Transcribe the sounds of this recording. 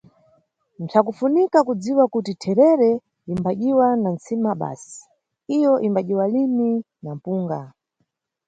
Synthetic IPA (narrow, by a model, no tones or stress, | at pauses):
n̩t͡sʰakufunikakud͡ziwakutitʰɛɾɛɾɛ | imbaʄiwanant͡simaɓa̰si̥ | ijɔʔimbaʄiwalimi | nam̩puːŋɡa